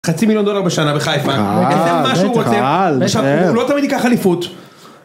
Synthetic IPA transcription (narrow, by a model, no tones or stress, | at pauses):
χat͡similjo̞ndo̞laʁbeʃanabeχajfaedemaʃuʁoelaχʃavlot̪amid̪ikaχalifut̪